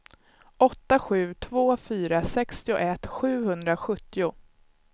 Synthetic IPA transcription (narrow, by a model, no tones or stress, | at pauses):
ʔɔt̪ːaɧʉ̟ːt̪ʰvoːfyːɾasɛkst̪ɪʊ̰ʔɛt̪ːɧʉ̟ːɦɵnd̪ɾaɧɵt̪ːɪʊ